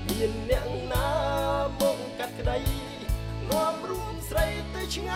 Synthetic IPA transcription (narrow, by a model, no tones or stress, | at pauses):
miənːɛ̆əʔŋnaːmɔːk̚kat̪̚kəɗəj | nŏəmruəmsrəjt̪ɨt͡ɕʰŋa